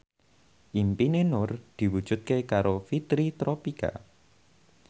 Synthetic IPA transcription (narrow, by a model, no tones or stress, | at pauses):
ʔimpinenʊrd̪̥i̤wud̥ʒ̥ṳt̪̚kekaɾofit̪ɾit̪ɾopika̰